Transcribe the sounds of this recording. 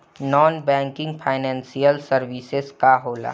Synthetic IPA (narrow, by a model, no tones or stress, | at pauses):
nɔːnbɛ̃ːŋkɪ̃ŋɡpʰaːɪnɛ̃ːnsijəlsəɾʋisezkaɦoːla̰ː